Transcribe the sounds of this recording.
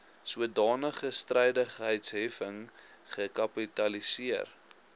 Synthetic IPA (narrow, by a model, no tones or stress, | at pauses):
suədɑːnəχəstrɛjdəχəɦəjtsɦifəŋ | χəkɐpitɐlisiər